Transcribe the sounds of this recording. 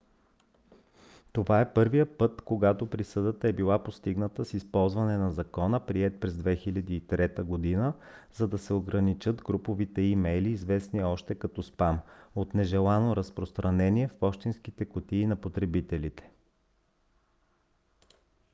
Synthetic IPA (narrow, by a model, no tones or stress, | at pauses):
t̪ovaɛpɤɾvijəpɤt̪koɡat̪opɾisɤd̪ət̪əɛbilˠapost̪iɡnət̪əsispɔlˠzvɐnɛnɐzɐkɔnəpɾiɛt̪̚pɾɛzd̪vɛxilʲɐd̪iːt̪ɾɛt̪əɡod̪inə | zɐd̪ɐsɛoɡɾɐnit͡ʃɤt̪ɡɾupovit̪ɛimɛjliːzvɛsniɔʃt̪ɛkɐt̪ɔspamot̪nɛʒɛlˠanoɾɐspɾost̪ɾɐnɛniɛfpɔʃt̪inskit̪ɛkot̪iːnɐpot̪ɾɛbit̪ɛlit̪ɛ̥